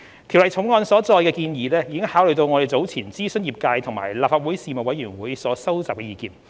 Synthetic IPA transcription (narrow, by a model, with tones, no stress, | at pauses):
t̪ʰi˨˩wlɐ˨jt͡sʰʊ˨˥ŋɔː˧nsɔː˨˥t͡sɔː˧jkɛː˧kiː˧njiː˨˥lɛː˥jiː˨˧kɪ˥ŋhaː˨˥wlɵ˨ɥt̪o˧wŋɔː˨˧ɾe˨˩jt͡so˨˥wt͡sʰiː˨˩nt͡siː˥sɵ˥njiː˨p̚kaː˧jt̪ʰʊ˨˩ŋma̰ː˨˩jlaː˨p̚faː˧t̚wuː˨˥jsiː˧mɐ˨˩wɐ˨˥jɥyː˨˩nwuː˨˥jsɔː˨˥sɐ˥wt͡saː˨p̚kɛ˧iː˧kiː˧n